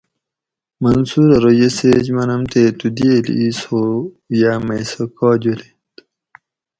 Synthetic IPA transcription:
mɐnsuɾɐɾojeseːd͡ʑmɐnɐmt̪et̪ud̪eːl̰iso | jamɐsokɔːd͡ʑole | t̪

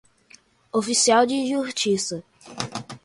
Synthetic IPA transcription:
ofisiawd͡ʒɪʒuʃt͡ʃisɐ

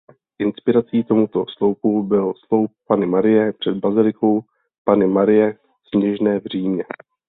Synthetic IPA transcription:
ʔɪnspɪɾat͡siːt̪o̞mut̪o̞slo̞wpubɪlslo̞wp̚ːanɪmaɾɪjɛpr̝̥ɛd̪̚bazɪlɪko̞w | panɪmaɾɪjɛ | sɲɛʒnɛːvr̝iːmɲɛ

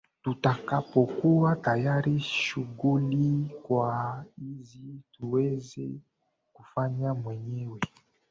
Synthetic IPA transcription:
tutakapɔkuwatajaɾiʃuɡulikwaizituwɛzɛ̰ | kufaɲamwɛɲɛwɛ

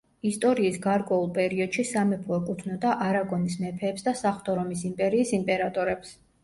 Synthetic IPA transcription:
ist̪ʼɔɾiːsɡaɾkʼwɛulˠpʼɛɾiɔd̪̥ʃisamɛpʰɔːkʼut̪ʰnɔd̪aʔaɾaɡɔnismɛpʰɛːpsd̪asaχt̪ʼɔɾɔmisimpʼɛɾiːsimpʼɛɾat̪ʼɔɾɛps

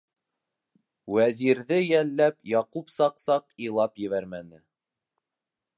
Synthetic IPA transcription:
wæziɾðɘjælːæpjɑqupsɑqsɑqilˠɑpjɘ̆βæɾmænɘ

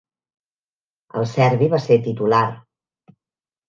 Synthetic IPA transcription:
ə̰lˠsɛɾβiβaset̪it̪ular

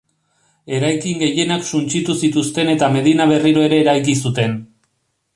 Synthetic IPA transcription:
e̞ɾajkiŋɡe̞je̞naksunt͡ʃit̪usit̪ust̪e̞ne̞t̪ame̞ð̞inaβe̞riɾo̞e̞ɾe̞ːɾajkis̬ut̪e̞n

